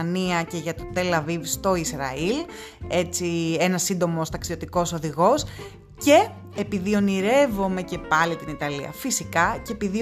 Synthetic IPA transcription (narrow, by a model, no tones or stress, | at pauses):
niɐce̞ʝɐt̪ot̪e̞lɐvivst̪o̞isɾɐ̰il | e̞t͡sienɐsind̪o̞most̪ɐksiot̪iko̞so̞ðiɣo̞s | ce̞ː | piðio̞niɾe̞vo̞me̞ce̞pɐlit̪init̪ɐliɐ̰fisikɐcepiði